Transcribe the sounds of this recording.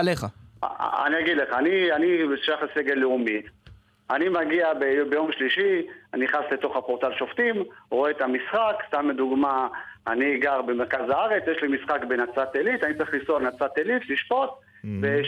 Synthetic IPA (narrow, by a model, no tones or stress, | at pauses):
aleχa̰ | a̰niaɡid̪leχaːnianiʃajaχleseɡe̞lːeumit | animaɡiabejbejo̞mʃliʃianiχasle̞t̪o̞χhapoʁt̪alʃo̞ft̪imʁoet̪amisχakst̪amːed̪uɡmaaniːɡaʁbe̞meʁkazaaʁe̞t͡sjeʃlimisχakbenat͡sat̪elit̪anit͡saʁiχlisolnat͡sat̪elit̪liʃpo̞t̪ | ve